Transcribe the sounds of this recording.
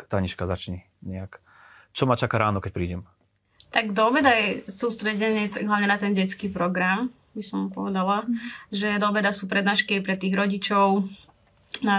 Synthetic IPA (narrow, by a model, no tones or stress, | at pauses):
t̪aɲiʃkazat͡ʃɲɛ | ɲɛak | t͡ʃɔmat͡ʃakaɾaːnɔkɛc̚ʲpɾiːɟɛm | t̪aɡd̪ɔbɛd̪ajɛsuːst̪ɾɛɟɛnɪɛɦlˠaʊɲɛnat̪ɛnɟɛt͡skiːpɾɔɡɾam | bisɔmpɔ̰ʋɛd̪alaʒɛd̪ɔbɛd̪asuːpɾɛd̪naːʃkiajpɾɛt̪iːɣɾɔɟit͡ʃɔʊ | na